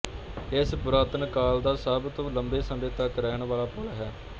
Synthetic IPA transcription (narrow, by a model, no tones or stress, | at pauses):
ɪsbʊɾaːt̪ənkaːld̪aːsəbt̪õːləmbeːsəmẽːt̪əkɾɛːɳʋaːlaːpəlɦɛː